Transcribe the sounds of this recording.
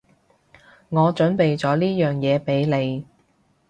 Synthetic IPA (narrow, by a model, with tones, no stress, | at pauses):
ŋɔː˨˧t͡ʃɵ˨˥npe˨jt͡sɔː˨˥liː˥jœː˨ŋjɛː˨˧pe˨˥jle˨˧j